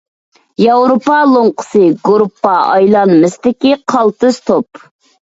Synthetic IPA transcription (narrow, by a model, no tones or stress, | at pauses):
jɑwɾopɑlˠoɴqə̥sɨɡoɾupːɑɑjlˠɑnmɨst̪ɪkʲiqʰɑlˠt̪ɨz̥t̪ʰop